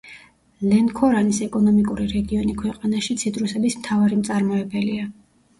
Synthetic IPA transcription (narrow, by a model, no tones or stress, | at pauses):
lɛnkʰɔɾanisɛkʼɔnɔmikʼuɾiɾɛɡiɔnikʰwɛqʼanaʃit̪sʰit̪ʼɾusɛbismt̪ʰavaɾimt̪sʼaɾmɔɛbɛlia